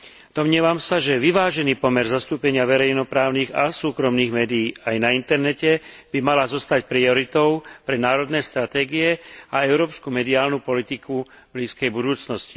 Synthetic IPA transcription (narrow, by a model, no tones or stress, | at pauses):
d̪̥ɔmɲɪiɛʋamsaʒɛʋiʋaːʒɛniːpɔmɛɾzast̪uːpɛɲɪaʋɛɾɛjnɔpɾaːʊniːɣasuːkɾɔmniːɣmɛːd̪ijiːajnaint̪ɛɾnɛcɛb̥imalazɔst̪acpɾiɔɾit̪ɔʊpɾɛnaːɾɔd̪nɛːst̪ɾat̪ɛːɡiɛaɛʊɾɔːpskumɛd̪iaːlnupɔlit̪iku | bliːskɛjbud̪uːt͡snɔsci̥